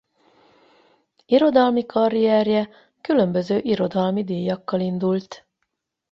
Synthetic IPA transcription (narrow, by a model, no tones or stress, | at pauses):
iɾo̞d̪ɒlmikɒɾijɛrjɛ | kylø̞mbø̞zøːʔiɾo̞d̪ɒlmid̪iːjːɒkːɒlind̪ult̪